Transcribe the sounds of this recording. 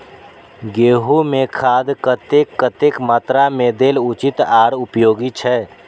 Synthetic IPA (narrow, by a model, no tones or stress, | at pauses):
ɡeːɦumẽkʰaːd̪kət̪eːkːət̪eːkmaːt̪ɾameːd̪eːlʊt͡ʃɪt̪aːɾʊpjoːɡit͡ʃʰɛː